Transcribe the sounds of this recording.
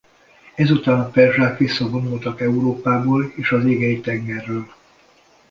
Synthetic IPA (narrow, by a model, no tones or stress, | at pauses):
ɛzut̪aːnɒpɛrʒaːkʋisːɒbo̞nult̪ɒkɛuɾoːpaːboːleːʃɒzeːɡɛjit̪ɛŋɡɛrːøːl